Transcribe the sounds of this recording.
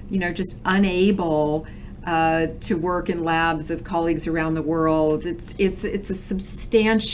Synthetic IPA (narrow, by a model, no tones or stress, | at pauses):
jɨnoʊd͡ʒʌstʔʌ̃neɪbl̩ˠ | tʰɨwɜ˞kɨ̃nlæbzʌv̥kʰɑlˠiɡzə˞ãʊ̃nðəwɜ˞lˠdɨtsɪtsɪtsɨsɨbstæ̃nʃ